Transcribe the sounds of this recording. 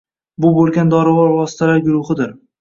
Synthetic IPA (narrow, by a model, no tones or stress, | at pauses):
bʊbolˠɡʲand̪ɒɾɪvɒɾvɒsɪ̥t̪ʰalaɾɡʊɾʊhɪd̪ɪɾ